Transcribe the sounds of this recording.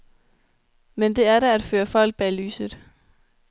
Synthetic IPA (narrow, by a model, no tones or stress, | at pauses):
mend̥e̝æɐɾææd̥føːɐfɒ̽l̰ɡ̥̚b̥ɛly̰ːsð̩ˠ